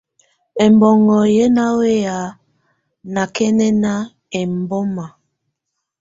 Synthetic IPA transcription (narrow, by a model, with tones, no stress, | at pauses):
ɛ˨mbɔ˨ŋɔ˨je˦na˦we˦ja˨ | na˨kɛ˦nɛ˦na˦ | ɛ˨m˨bɔ˦ma˨